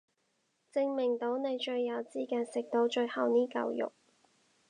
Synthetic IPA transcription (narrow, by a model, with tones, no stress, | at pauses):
t͡sɪ˧ŋmɪ˨˩ŋt̪o˨˥wne˨˧jt͡ʃɵ˧ɥːɐ˨˧wt͡siː˥kaː˧nsɪ˨k̚t̪o˨˥wt͡ʃɵ˧ɥhɐ˨˧wniː˥kɐ̰˨˧wjʊ̰˨k̚